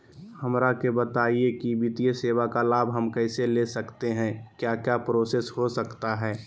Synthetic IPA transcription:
hɐmɾakebət̪aːiekibit̪ijeseːwakalaːbʱɦɐmkɛːɪselesɐkt̪eɦɛ̃kjaːkjaːpɾoːseːshosəkt̪aɦɛː

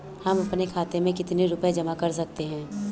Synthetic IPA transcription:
hɐmɐpnekʰaːt̪emẽkɪt̪neɾʊped͡ʒɐmakɐɾs̬ɐk̚t̪eɦɛ̃ː

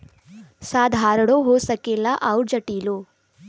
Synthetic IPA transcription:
saːd̪ʱaːɾɐɽoɦoːsɐkilːɐʔɐwɽd͡ʒɐʈːiːlu

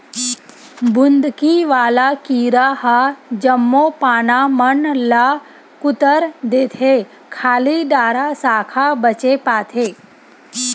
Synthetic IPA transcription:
bʱʊnd̪kiʋaːlakiːɾaɦad͡ʒəmːoːpaːnamənla | kʊt̪əɾd̪eːt̪ʰe | kʰaːliɖaːɾasaːkʰabət͡ʃepaːt̪ʰeː

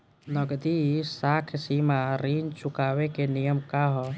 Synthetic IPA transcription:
nɔɡd̪isakʰsimaɾint͡ʃukaːwekenijəmkaɦɔ

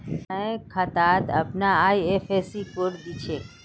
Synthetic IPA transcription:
əẽkʰat̪at̪ə̰pnaːjefesikoɾd̪it͡ʃʰe

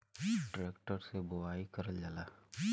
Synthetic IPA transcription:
ʈɾeːkʈəɾsebʊaːikəɾəld͡ʒalaː

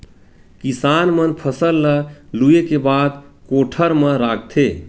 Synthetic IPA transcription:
kisanmənpʰəsəlːəluekebad̪koʈʰəɾmẽɾaɡ̚t̪ʰe

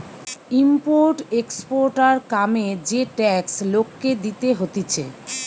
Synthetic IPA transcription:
impoɾʈekspoɾʈaɾkamed͡ʑeʈɛkslokːed̪it̪eɦot̪it͡ɕʰe

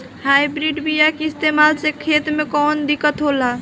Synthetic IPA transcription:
hajbɾiɖbijakeist̪emalsekʰet̪mekɔnd̪ikət̪ɦola

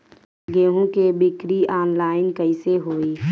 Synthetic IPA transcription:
ɡeːɦũkebɪkɾiaːnlaːɪnkəɪseɦoːiː

